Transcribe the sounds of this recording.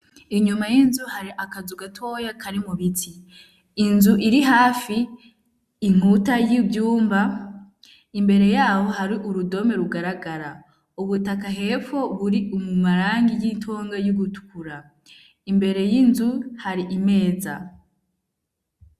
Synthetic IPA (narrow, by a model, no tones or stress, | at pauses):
iɲumajinzuhaɾiʔakazuɡatʰojakʰaɾimuβitʰiː | nzuʔiɾiɦaːfiː | ŋ̥utajibjuːmba | imbe̞ɾe̞jaːho̞ɦaɾiʔuɾudo̞me̞ɾuɡaɾaɡaɾa | uβutakaɦe̞fo̞βuɾiumumaɾaːŋɡijintʰoːŋɡajuɡutu̥kuɾa | imbe̞ɾe̞jinzuhaɾiʔime̞ːza̰